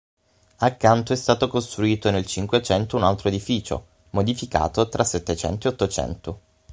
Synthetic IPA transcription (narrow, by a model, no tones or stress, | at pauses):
akːant̪oɛst̪aːt̪okost̪ɾuiːt̪onelt͡ʃiŋkwet͡ʃɛnt̪ounalt̪ɾoed̪ifiːt͡ʃo̰ | mod̪ifika̰ːt̪ot̪ɾʔasːɛt̪ːet͡ʃɛ̰nt̪oeot̪ːot͡ʃɛ̰nt̪o